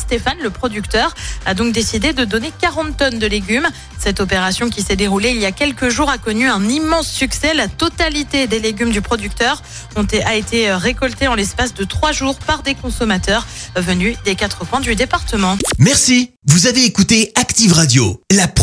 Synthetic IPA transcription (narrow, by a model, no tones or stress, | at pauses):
st̪efanləpχɔd̪ykt̪œʁad̪ɔ̃k̚d̪esid̪ed̪əd̪ɔnekaʁɑ̃t̪ːɔnd̪əleɡʲym | sɛt̪ɔpeʁasjɔ̃kʲisɛd̪eʁuleiljakʲɛlkəʒuʁakɔnyɛ̃nimɑ̃sːyksɛlat̪ɔt̪alit̪ed̪eleɡʲymd̪ypχɔd̪yk̚t̪œʁ | ɔ̃t̪aet̪eʁekɔlt̪eɑ̃lɛspasd̪ət̪χwaʒuʁpaʁd̪ekɔ̃sɔmat̪œʁvənyd̪ekat̪χəpwɛ̃d̪yd̪epaʁt̪əmɑ̃mɛʁsi | vuzaveːkut̪eakt̪ivʁad̪jolap